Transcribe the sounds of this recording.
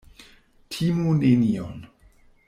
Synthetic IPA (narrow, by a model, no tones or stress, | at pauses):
tʰimunenio̰n